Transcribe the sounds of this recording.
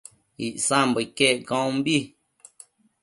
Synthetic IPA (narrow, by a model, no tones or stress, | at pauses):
iʔsãmbəkeʔkɔ̃ːmbi